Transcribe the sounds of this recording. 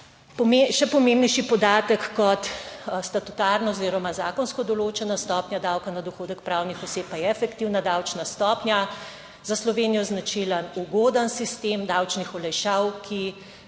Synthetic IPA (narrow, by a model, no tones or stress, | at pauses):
pɔmeʃɛpɔmembnɛjʃipɔd̪aːt̪əkːɔt̪st̪ɐt̪ut̪aːɾnɔoziːɾɔmazaːkɔnskɔd̪ɔloːt͡ʃɛnast̪ɔːpnʲjad̪awkanad̪ɔxoːd̪əkpɾawnixɔseːpajɛɛfɛkt̪iwnad̪awt͡ʃnast̪ɔːpnʲja | zaslɔʋeːnijɔznat͡ʃilənuɡoːd̪ənsist̪eːmd̪awt͡ʃnixɔlɛjʃawkʰi